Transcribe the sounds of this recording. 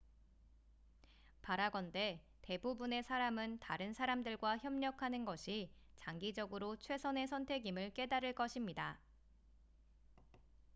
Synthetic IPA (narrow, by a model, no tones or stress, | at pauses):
paɾaɡʌnde̞ | te̞bubune̞sʰaɾamɯntaɾɯnsʰaɾamdɯɭɡwaçjʌmɲʌkʰanɯnɡʌɕʰi | t͡ɕaŋɡid͡ʑʌɡɯɾot͡ɕʰwe̞sʰʌne̞sʰʌntʰe̞ɡimɯɭk͈e̞daɾɯɭk͈ʌɕʰimɲida